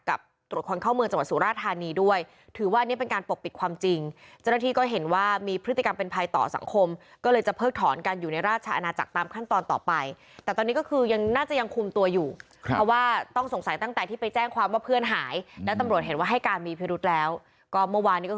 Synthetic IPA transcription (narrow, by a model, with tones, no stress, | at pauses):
ka̰˨˩p̚t̪ɾu˨˩ə˩t̚kʰo˧nkʰɔː˥˩wmɯ˧əŋt͡ɕa˧wt̪̚suː˨˩˦ɾaː˥˩t̪ʰːaː˧niː˧du˥˩əj | t̪ʰɯː˩˦waː˥˩ʔa˧nːi˦˥pe˧nkaː˧npo˨˩pːi˨˩t̪̚kʰwaː˧mt͡ɕi˧ŋt͡ɕa˥˩na˥t̪ʰiː˥˩kɔː˥˩ɦe˩˦nwaː˥˩miː˧pʰɾɯ˦˥t̪i˨˩ka˧mpe˧npʰa˧jt̪ɔ̰ː˨˩sa̰˩˦ŋkʰo˧m | kɔː˥˩lɤː˧jt͡ɕa˨˩pʰɤː˥˩k̚t̪ʰɔː˩˦nkaː˧njuː˨˩na˧jɾaː˥˩t͡ɕʰa˧ʔa˧naː˧t͡ɕa̰˨˩k̚t̪aː˧mkʰa˥˩nt̪ɔː˧nt̪ɔ̰ː˨˩pa˧j | t̪ɛː˨˩t̪ɔː˧niː˦˥kɔ˥˩kʰɯː˧ja˧ŋnaː˥˩t͡ɕa˨˩ja˧ŋkʰu˧mt̪u˧ɐjuː˨˩ | ɾɔ˦˥waː˥˩t̪ɔ˥˩ŋso˨˩˦ŋsa˨˩˦jt̪a˥˩ŋt̪ɛː˨˩t̪ʰiː˥˩pa˧jt͡ɕɛː˥˩ŋkʰwaː˧mwaː˥˩pʰɯ˥˩ənɦaː˩˦jlɛ˦˥wt̪a˧mɾu˨˩ət̪̚ɦe˩˦nwaː˥˩ɦa˥˩jkaː˧nmiː˧pʰi˦˥ɾu˦˥t̪̚lɛː˦˥w | kɔː˥˩mɯ˥˩ɐwaː˧niː˦˥kɔ˥